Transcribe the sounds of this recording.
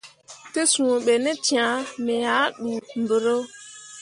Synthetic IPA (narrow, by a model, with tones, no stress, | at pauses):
te˦sũ˨ɓe˨ne˦tĩ˦ã˨˦me˨ja˨˦ɗu˨m̩˨bə˨ɾo˦